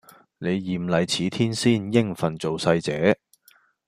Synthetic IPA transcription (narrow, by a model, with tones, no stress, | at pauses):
ne˨˧jːiː˨˩mlɐ˨˩jt͡sʰiː˨˥t̪ʰiː˥nsiː˥˩njɪ˥ŋfɐ˨˩nt͡so˨wsɐ˧jt͡sɛː˨˧˥